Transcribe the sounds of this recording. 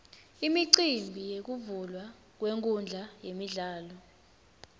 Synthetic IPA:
imiǀimbʱijek̬uvulwa | k̬weŋkʼund͡ɮʱajemiɮaːlɔ

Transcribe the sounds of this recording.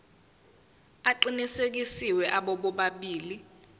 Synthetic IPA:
aǃinisek̬isiwɛʔaɓɔɓɔɓaɓiːli

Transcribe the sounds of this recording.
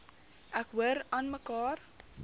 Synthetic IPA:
ʔækɦuəɾɑːnməkɑːr

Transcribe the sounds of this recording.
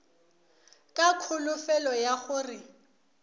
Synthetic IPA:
kʼakʰʊlʊfɛlɔjaχʊrɪ

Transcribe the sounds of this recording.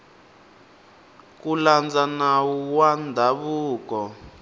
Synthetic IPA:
kuland͡zanawuwandʱaβuːkɔ

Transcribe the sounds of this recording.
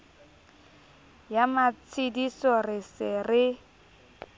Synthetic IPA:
jamat͡sʰɪdisɔrɪsɪrɪ

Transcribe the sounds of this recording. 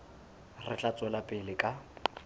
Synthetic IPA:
rɪ̰t͡ɬʼat͡sʼɛlapʼɪlɪkʼa

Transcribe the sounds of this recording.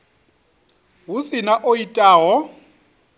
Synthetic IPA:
ɦusinaʔoitʼaːɦɔ

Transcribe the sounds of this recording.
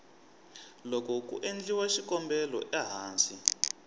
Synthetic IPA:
lɔkɔkṵʔend͡ɮiwaʃikɔmbɛlɔ̰ʔaɦaːnsi

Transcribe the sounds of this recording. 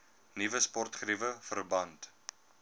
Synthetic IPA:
nivəspɔrtχrivəfərbɐnt

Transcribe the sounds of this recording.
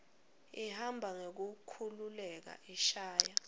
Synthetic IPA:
ihambʱaŋek̬ukʰululɛk̬a̰ʔiʃaːja

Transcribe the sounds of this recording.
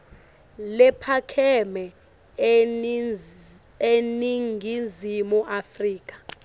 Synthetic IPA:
lɛpʰakʰɛmɛ | eniŋɡʱind͡zʱimuʔafriːk̬ʼḁ

